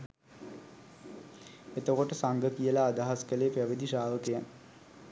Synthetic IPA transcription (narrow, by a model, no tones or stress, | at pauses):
et̪əkoʈəsaŋɡəkijəlaːd̪aɦaskəleːpæʋəd̪iʃaːʋəkejan